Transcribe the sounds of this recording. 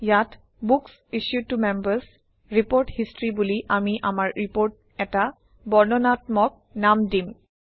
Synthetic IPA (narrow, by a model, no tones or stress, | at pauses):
jat | buks | iʃjutumɛmbəs | ɹipoɹthistɹibuliʔamiʔamaɹɹipoɹt̚ | ɛta | bɔɹnɔnatmɔk̚namdim